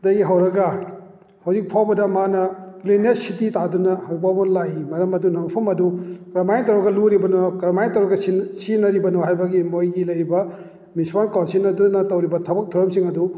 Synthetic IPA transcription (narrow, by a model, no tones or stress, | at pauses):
dajɡiɦɐwɾɐɡɐ | hɐwzik̚pʰawbɐdɐmanɐklinessititadunɐhɐwpawbɐnlajimɐɾɐmɐdunɐmɐpʰɐmɐdukɾɐmajntɐwɾɔɡɐluɾibɐnokɾɐmajntɐwɾɐɡɐssinɐɾibɐnoɦajbɐɡimojɡilɐjɾibɐ | mispankansinɐdunɐtɐwɾibɐtʰɐbɐk̚tʰuɾɐmsiŋɐdu